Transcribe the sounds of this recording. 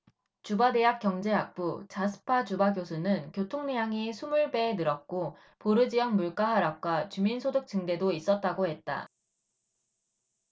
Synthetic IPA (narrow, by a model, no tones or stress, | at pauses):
t͡ɕubade̞jak͈jʌŋd͡ʑe̞ak̚p͈ut͡ɕasʰɯ̥pʰad͡ʑubaɡjosʰunɯnkjotʰoŋnijaŋesʰumuɭbe̞nɯɾʌk̚k͈o | poɾɯd͡ʑijʌŋmuɭk͈aɦaɾak̚k͈wat͡ɕuminsʰodɯk̚t͡ɕ͈ɯŋde̞dois͈ʌt̚t͈aɡoɦet̚t͈a̰